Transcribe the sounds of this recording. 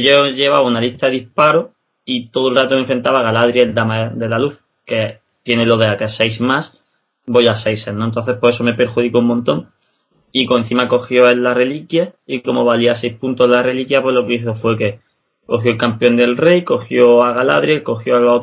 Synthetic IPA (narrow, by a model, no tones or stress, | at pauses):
ʝoʝe̞βaβunalist̪aðeðispaɾo̞ | it̪o̞ðolrat̪ome̞ɱfɾe̞nt̪aβaɣalaðɾjeeld̪amad̪e̞laluθ | ke̞ | t̪je̞nelo̞ðeakesejsmas | bojasejsenont̪o̞n̟θe̞spwoesome̞pe̞ɾxuðikoumːont̪o̞ŋ | ikoen̟θimako̞xjo̞elːare̞likjaiko̞mo̞βaliasejspunt̪ozlare̞likjapwe̞lo̞keiθofwe̞ke̞ | ko̞xjoelkampeo̞nd̪e̞lre̞jko̞xjoaɣala̰ðɾjeko̞xjoalo